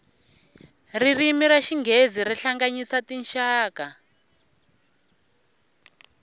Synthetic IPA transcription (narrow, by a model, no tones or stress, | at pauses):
ririmiɾaʃiŋɡʱeziɾiɬaŋɡaɲisatinʃaːka